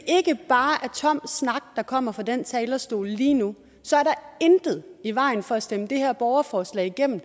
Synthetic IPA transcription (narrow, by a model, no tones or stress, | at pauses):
ʔe̝ɡ̥əb̥ɑ̈ːʔæɐt͡sʰɒ̽m̰snɑ̈ɡ̥̚d̥ɑ̈kʰɒ̽m̰ɐfɑ̈den̰t͡sʰɛːlɐsd̥o̝̰ːləliːnu | sɒ̽æɐɾɑ̈end̥ð̞̩ˠiʋɑ̈ɪ̰n̩fɒ̽æsd̥eməd̥e̝hæɐb̥ɒʊɐfɒːslɛ̰ːɪiɡ̥em̰m̩